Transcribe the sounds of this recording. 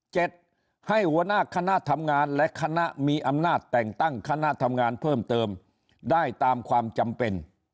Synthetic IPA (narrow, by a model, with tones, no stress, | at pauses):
t͡ɕe˨˩t̪̚ | ha˥˩jhu˨˧˦ənaː˥˩kʰa˧na˦˥ʔt̪ʰa˧mŋaː˧nlɛ˦˥kʰa˧na˦˥ʔmiː˧ʔa˧mnaː˥˩t̪ːɛː˨˩ŋt̪a˥˩ŋkʰa˧na˦˥ʔt̪ʰa˧mŋaː˧npʰɤː˥˩mt̪ɤː˧m | daː˥˩jt̪aː˧mkʰwaː˧mt͡ɕa˧mpe˧n